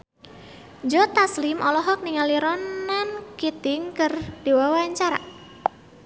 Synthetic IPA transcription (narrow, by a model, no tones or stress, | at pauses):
d͡ʒɔt̪aslimʔɔlɔɦɔk̚niŋaliɾɔnankit̪ɪŋkərd̪̥ewawaɲt͡ʃaɾa̰